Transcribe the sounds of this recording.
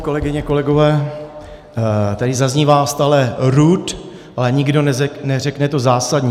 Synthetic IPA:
ko̞lɛɡɪɲɛko̞lɛɡo̞vɛː | t̪adɪzazɲivaːst̪aːlɛɾut̪ | ʔalɛɲɪɡdo̞nɛnɛr̝ɛknɛt̪o̞zaːsadɲi

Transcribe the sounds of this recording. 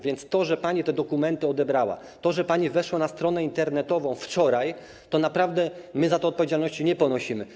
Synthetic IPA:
vʲjɛnt̪st̪ɔʐɛpaɲit̪ɛd̪ɔkumɛnt̪ɘɔd̪ɛbɾawa̰ | t̪ɔʐɛpaɲivɛʂwanast̪ɾɔnɛint̪ɛɾnɛt̪ɔvɔ̃w̃ft͡ʂɔɾaj | t̪ɔnapɾavd̪ɛmɘzat̪ɛɔt̪̚pɔvʲjed͡ʑalnɔɕt͡ɕiɲɛpɔnɔɕimɘ

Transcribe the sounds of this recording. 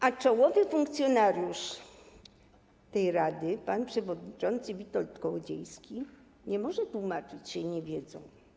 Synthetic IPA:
ʔat͡ʂɔwɔvɘfuŋk̚t̪sʲjɔnaɾʲjuʂ | t̪ɛjɾad̪ɘpanpʂɛvɔd̪ɲit͡ʂɔnt̪sɘvʲit̪ɔlt̪kɔwd͡ʑɛ̰jskʲi | ɲɛmɔʐɛt̪wumat͡ʂɘt͡ɕɕɛɲɛvʲjɛd̪zɔ̰̃w̃

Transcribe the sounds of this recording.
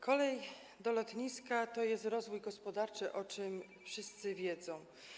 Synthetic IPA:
kʰɔlɛj | d̪ɔlɔt̪ɲiskat̪ɔjɛst̪ɾɔzvujɡɔspɔd̪aɾt͡ʂɘʔɔt͡ʂɘm | fʂɘst̪sɘvʲjɛd̪zɔ̃w̃

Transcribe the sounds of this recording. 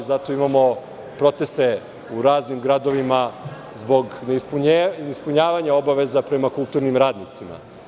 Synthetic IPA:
zat̪o̞imamo̞ | pɾo̞t̪est̪e | uɾaːznimɡɾad̪oʋima | zbo̞ɡneispuɲnispuɲaːʋaɲao̞baʋe̞zapɾe̞makulˠt̪uɾnimɾaːd̪nit̪sima̰

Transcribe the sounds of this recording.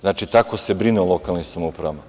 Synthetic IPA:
znaːt͡ʃit̪akose̞bɾineolokalnisamoupɾama

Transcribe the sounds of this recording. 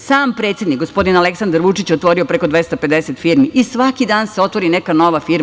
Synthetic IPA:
saːmpɾet̪sjed̪nikɡo̞spo̞d̪inaleksand̪aɾʋut͡ʃit͡ɕeot̪ʋo̞ɾiopɾeko̞d̪ʋe̞st̪aped̪e̞set̪fiɾmiʔisʋakid̪aːnseo̞t̪ʋo̞ɾinekano̞ʋafiɾ

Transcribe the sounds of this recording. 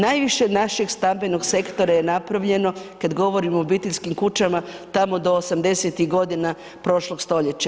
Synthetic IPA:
najʋiʃe̞naʃe̞ɡst̪ambe̞no̞ɡse̞kt̪o̞ɾaje̞napɾaʋʎe̞no̞kad̪ɡo̞ʋo̞ɾimoːbiːt̪eʎʲskimkut͡ʃamat̪amo̞d̪o̞ːsamd̪e̞set̪iɣɡo̞d̪ina | pɾo̞ʃlˠo̞ɡst̪o̞ʎe̞t͡ɕa

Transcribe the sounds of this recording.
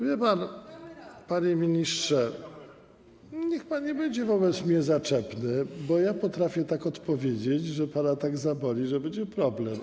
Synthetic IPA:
vʲjɛpan | paɲemʲiɲistʂɛ | ɲɛxpanɲɛbɛɲd͡ʑɛvɔbɛt̪smɲɛzat͡ʂɛpnɘbɔjapɔt̪ɾafʲjɛt̪akɔt̪pɔvʲjed͡ʑet͡ɕʐɛpanat̪aɡzabɔlʲiʐɛbɛɲd͡ʑɛpɾɔblɛm

